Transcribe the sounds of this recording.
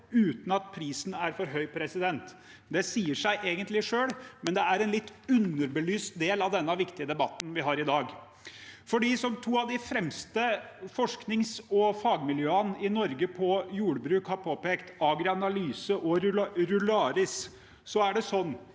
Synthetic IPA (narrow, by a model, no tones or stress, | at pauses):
ʉːt̪n̩ɑt̪̚pʰɾiːsn̩æɾfɔɾɦœʏpʰɾɛsɪd̪ɛnt̪ | d̪ɛsiːəʂæɪʔeːɡənt̪lɪʂøːɽmɛnd̪ɛæɾɛnlɪt̪ːʉnːəɾbəlyːst̪̚d̪eːlɑʋd̪ɛnːəʋɪkt̪ɪəd̪ɛbɑt̪ːn̩ʋɪɦɑɾɪd̪ɑːɡ | fɔɖiːsɔmt̪ʰuːɑʋd̪ɪfɾɛmst̪əfɔʂknɪŋsɔfɑːɡmɪljøːənɪnɔɾɡəpʰɔjuːɽəbɾʉːkhɑɾpʰoːpeːkt̪ɑɡɾɪɑnɑlyːsəʔɔɾɾʉlɑːɾɪs | sɔæɖɛsɔnː